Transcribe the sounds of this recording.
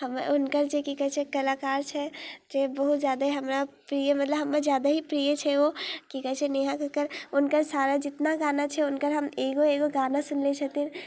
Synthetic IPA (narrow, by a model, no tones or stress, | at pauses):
həmʊnkəɾd͡ʒekikəɦɛt͡ʃʰɛkəlaːkaːɾt͡ʃʰɛd͡ʒebəɦut̪zjaːd̪aɦiɦəmɾapɾijəmɐt̪ləbɦəmːed͡ʒjaːd̪aɦipɾijet͡ʃʰɛʋokikəɦɛt͡ʃʰɛneɦãkəkəɾʊnkəɾsaːɾad͡ʒɪt̪naɡaːnat͡ʃʰɛʊnkəɾɦəmeːɡoeːɡoɡaːnasʊnlet͡ʃʰət̪in